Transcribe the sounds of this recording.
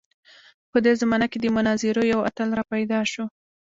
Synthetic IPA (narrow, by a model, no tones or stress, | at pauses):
pəd̪ezamɑnaked̪əmʊnɑziɾojawa̰t̪alɾɑpajd̪ɑʃo